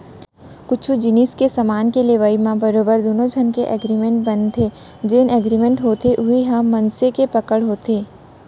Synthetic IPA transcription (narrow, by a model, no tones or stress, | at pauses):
kʊt͡ʃʰud͡ʒɪniskesɐmaːnkeleʋaːimãbɐɾoːbəɾd̪oːnõd͡ʒʱɐnkeʔɛɡɾimẽɳʈ̚bɐnt̪ʰeːd͡ʒeːnɛɡɾiːmẽɳʈɦoːt̪ʰeʔʊɦiɦãmːɐnsekepɐkəɽɦoːt̪eː